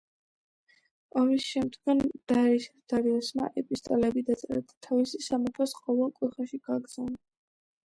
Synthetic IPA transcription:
ɔmisʃɛmd̪ɡand̪̥aɾisd̪̥aɾiɔsma̰ʔɛpʼist̪ʼɔlɛbid̪at̪sʼɛɾa̰d̪̥at̪ʰavisisamɔt̪ʰasqʼɔvɛlˠkʼuχaʃiɡ̥aɡz̥ana

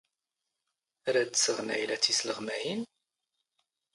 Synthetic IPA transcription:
ɾæd̪səʁnæ̰jlæt͡sːisləʁmæjin

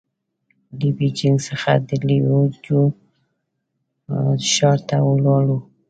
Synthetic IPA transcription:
libid͡ʒɪŋɡsəxad̪əliod͡ʒo | ʃɑɾt̪awəlɑɽu

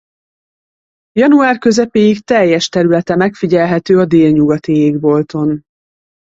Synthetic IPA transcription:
jɒnuaːrkø̞zɛpeːjikt̪ɛjːɛʃt̪ɛɾylɛt̪ɛmɛkfiɟɛlɦɛt̪øːɒd̪eːlɲuɡɒt̪ieːɡbo̞lt̪o̞n

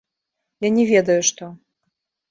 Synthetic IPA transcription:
janʲɛvʲɛd̪ɐjuʂt̪ɔ

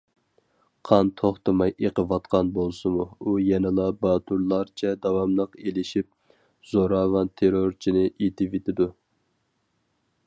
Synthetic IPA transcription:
qʰɑnt̪ʰoχt̪ɨmɑjeqəvɑt̪̚qɑnbolˠsɨmuujɛnɨlˠɑbɑːt̪ʰuɾlˠɑɾt͡ʃʰɛd̪ɑwɑmlˠəqelɪʃip̚ | zoɾɑːwɑnt̪ʰeɾoɾt͡ʃʰinɪʔet̪ʰɪvet̪ʰɪd̪u

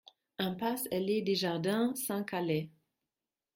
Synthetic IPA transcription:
ɛ̃pasɛlɛd̪eʒaʁd̪ɛ̃sɑ̃kalɛ

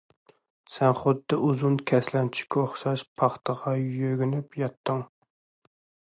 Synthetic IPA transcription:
sɛnχʊd̪ːɨʔuzunkʲʰɛslɛnt͡ʃʰi̥kʲːɛoχʃɑʃpʰɑχt̪ʰəʁɑjjøɡʲynypjɑt̪ʰːəŋ

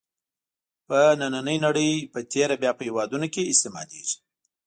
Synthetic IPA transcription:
pənananəjnaɽəjpət̪ʰeɾabjɑpəhewɑd̪unokeɪst̪ɪmɑ̰d̪ḛʒi̥

